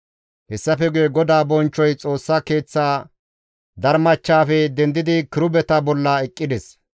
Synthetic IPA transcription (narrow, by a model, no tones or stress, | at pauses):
hɛsːɐfɛɡʊjɛɡɔd̪aːbɔnt͡ʃːɔjt͡sʼo̞ːsːake̞ːt͡sːaː | d̪ɐɾmɐt͡ʃːaːfɛd̪ɛnd̪ɪd̪ɪkɪɾʊbɛt̪ɐbɔlːɐɛkʼːɪd̪ɛs